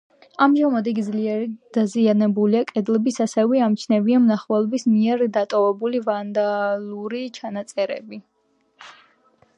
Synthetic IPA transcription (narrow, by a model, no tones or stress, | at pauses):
amʒamad̪iɡd̪zliɛd̪̥azianɛbuliakʼɛd̪lɛbisasɛvɛamt͡ʃʰnɛbiamnaχvɛlˠɔbismiɛɾd̪at̪ʼɔvɛbulivand̪aluɾit͡ʃʰanat̪sʼɛɾɛ̰bi